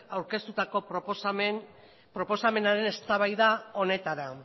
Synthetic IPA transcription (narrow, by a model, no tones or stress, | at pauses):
awɾke̞st̪ut̪ako̞ | pɾo̞po̞same̞naɾe̞ne̞st̪aβajðao̞ne̞t̪aɾa